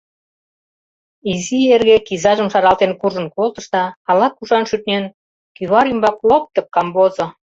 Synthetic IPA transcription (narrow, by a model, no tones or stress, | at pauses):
izierɣekizɑʒəmʃɑɾɑlt̪enkuʒə̆nkolt̪ə̆ʃt̪ɑːlɑkuʃɑnʃyt̪nʲen | kyβɑɾymbɑklop̚t̪ə̆p̚kɑmbozo